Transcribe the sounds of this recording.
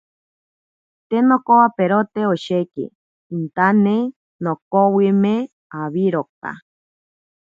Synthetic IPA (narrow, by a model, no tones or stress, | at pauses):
t̪enokowapeɾot̪eoʃekḛ | int̪ane | nokowimẽ | aβiɾoka̰